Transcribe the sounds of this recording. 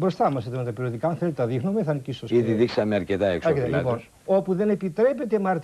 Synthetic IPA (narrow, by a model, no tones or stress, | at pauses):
bɾo̞st̪ɐmɐset̪onot̪ɐpiɾioðikaɐnθelet̪et̪ɐðixnumeθɐnicisosiðiðiksɐmeɐɾcet̪ɐeksɐket̪elipons | o̞puðe̞ne̞pit̪ɾe̞pet̪e̞mɐɾt̪